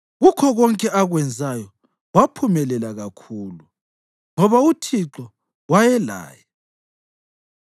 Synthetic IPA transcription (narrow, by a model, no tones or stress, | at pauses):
ɣukʰɔɣɔŋkʼɛʔaɣwɛnd͡zʱajɔ | wapʰumɛlɛlaɣakʰuːlu | ŋɔβautʰiǁɔ | wajɛla̰ːjɛ